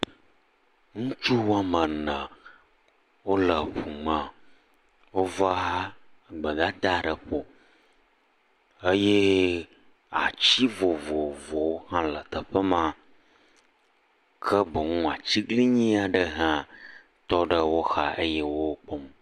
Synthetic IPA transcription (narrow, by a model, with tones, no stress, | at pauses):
ŋũ˦t͡ʃu˦wa˦mə̃˨nə̃˨ | wo˦lə˨ɸu˨mã˨ | wo˦va˦˨ɡ͡bə˨ɡa˦t̪a˦˨ɖə˨ɸo˨ | ə˦je˦ | a̰˨t͡ɕi˦vo˨vo˨vɔ˨wo˦ɦã˦lə˨t̪ə˨ɸə˦mã˨ | kʰə˦bə˨ŋũ˦a˨t͡ɕi˦ɡli˦ɲĩ˦a˨ɖə˦ɦã˦ | t̪ɔ˦ɖə˦wo˦xa˨ʔə˦jɛ˦wo˦k͡pɔ˦m